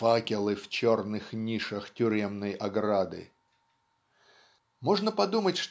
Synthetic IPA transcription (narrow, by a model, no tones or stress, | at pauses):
akʲɪlˠɨft͡ɕornɨxnʲiʂəxtʲʊɾʲe̞mnəjʔɐɡɾad̪ɨ̰ | mo̞ʐnəpɐd̪umətʲʂt̪